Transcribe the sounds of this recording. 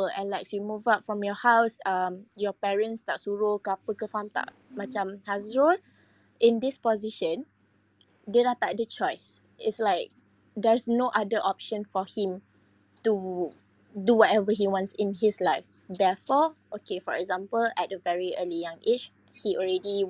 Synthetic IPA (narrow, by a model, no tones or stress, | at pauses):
əɛ̰̃nlaɪksjumuvap̚fɹɔ̃mjɔhawsʌmjɔpɛɹə̃nst̪aʔsuɹokapəkəfãmt̪a̰ʔ | mat͡ʃãmhazɹon | ʔɪ̃ndɪspɔziʃə̃n | denat̪aʔ̚dət͡ʃɔɪs | ɪtslaɪk̚ | dɛɹsnoʔadəʔɔp̚ʃə̃nfɔhĩm | tu | duwɔtɛvəɦiwɔ̃nsɪ̃nɦɪslaɪf | dɛfɔʔokefɔɹɛ̰ɡzãmpəlɛt̚əvɛɹiəlijãŋet͡ʃ | hiɔlɹɛdi